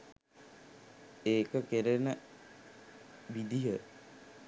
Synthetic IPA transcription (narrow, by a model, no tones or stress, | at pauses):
eːkəkeɾenə | ʋid̪iɦə